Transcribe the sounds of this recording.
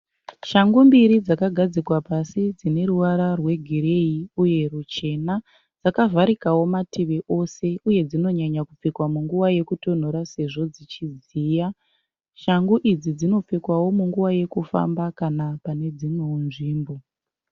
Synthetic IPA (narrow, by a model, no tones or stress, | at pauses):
ʃaŋɡumbiɾid͡zakaɡʱad͡zikwapasid͡zine̞ɾuwaɾarwe̞ɡʱiɾe̞iuje̞rut͡ʃe̞na | d͡zakavʱaɾikawo̞matiʋeʔo̞se̞uje̞d͡zino̞ɲaɲakup͡fikwamuŋɡuwaje̞kuto̞n̤o̞ɾase̞ʐo̞d͡zit͡ʃiziːja | ʃaŋɡuʔid͡zid͡zino̞p͡fikwawo̞muŋɡuʋaje̞kufa̰mbakanapane̞d͡zimweunʐiːmbo̞